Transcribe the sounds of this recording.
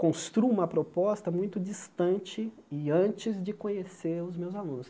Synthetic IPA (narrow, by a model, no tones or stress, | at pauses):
kõst̪ɾuũmɐpɾopɔst̪ɐmũj̃t̪ʊd͡ʒist̪ɐ̃nt͡ʃɪ | ɪɐ̃nt͡ʃɪzd͡ʒɪkõɲeseɾʊzmewzalũnʊs